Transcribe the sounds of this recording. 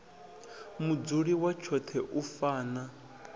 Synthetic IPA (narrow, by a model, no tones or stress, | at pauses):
mud͡zuɺiwat͡ʃʰɔt̪ʰɛʔufaːna